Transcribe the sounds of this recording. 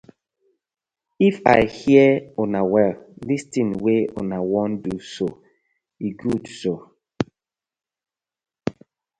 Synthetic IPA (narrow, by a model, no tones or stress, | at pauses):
ifa̰ɪhiəonawɛllistĩnweo̰nawɔ̃nduso | iɡudso